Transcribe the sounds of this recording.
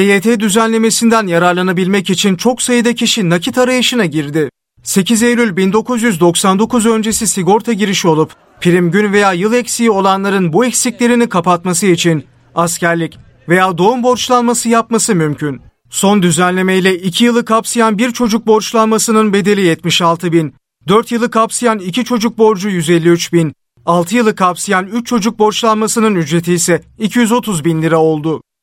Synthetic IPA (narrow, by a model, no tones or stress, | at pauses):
ejeːt̪ʰeːd̪yzænlʲe̞me̞sind̪ænjaɾaɾlˠanabilʲmɛcit͡ʃʰint͡ʃʰo̞ksajɯd̪acʰiʃinacʰit̪ʰaɾajɯʃɯnaɟiɾd̪ɪ | se̞cize̞jlʲylʲbind̪o̞kʰuzjyzd̪o̞ksand̪o̞kuzø̞nd͡ʒe̞sisiɡo̞ɾt̪ʰaɟiɾiʃio̞lˠup | pʰiɾimɟynve̞jaːjɯlˠɛcsio̞lˠanlˠaɾɯnbuɛcsicʲlʲe̞ɾinikʰapat̪masɯit͡ʃʰin | ascæɾlʲic | ve̞jaːd̪o̞umbo̞ɾt͡ʃlˠanmasɯjapmasɯmymcʰyn | so̞nd̪yzænlʲe̞me̞jlʲɛicʰijɯlˠɯkʰapsɯjanbiɾt͡ʃʰo̞d͡ʒuk̚bo̞ɾt͡ʃlˠanmasɯnɯnbe̞d̪e̞lʲijɛt̪miʃalˠt̪ʰɯbin | d̪øɾt̪jɯlˠɯkʰapsɯjanicʰit͡ʃʰo̞d͡ʒuk̚bo̞ɾd͡ʒujyze̞lʲːiyt͡ʃbin | alˠt̪ʰɯjɯlˠɯkʰapsɯjanyt͡ʃt͡ʃʰːo̞d͡ʒuk̚bo̞ɾt͡ʃlˠanmasɯnɯnyd͡ʒɾe̞t̪ʰijsɛicʰijyzo̞t̪ʰuzbinlʲiɾɛo̞lˠd̪ʊ